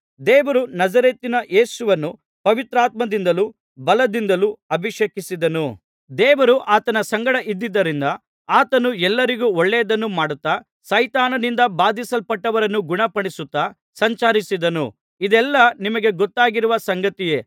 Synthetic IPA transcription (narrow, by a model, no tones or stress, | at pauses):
d̪ɛːʋɐɾunɐd͡ʒɐɾeːt̪inɐʔe̞ːsuʋɐnːu | pɐʋit̪ɾaːt̪̚mɐd̪ind̪ɐlu | bɐlɐd̪ind̪ɐluɐbʱiʂekisid̪ɐnu | d̪ɛːʋɐɾuʔaːt̪ɐnɐsɐŋɡɐɽɐʔid̪ːid̪ːɐɾind̪ɐ | aːt̪ɐnuɛlːɐɾiɡuɔɭːɛːɐd̪ɐnːumaːɽut̪ːa | sɐjt̪aːnɐnind̪ɐbaːd̪isɐlpɐʈːɐʋɐɾɐnːuɡuɳɐpɐɳisut̪ːa | sɐɲt͡ʃaːɾisid̪ɐnu | id̪ɛlːɐnimɐɡe̞ɡɔt̪ːaːɡiɾuʋɐsɐŋɡɐt̪ije̞ː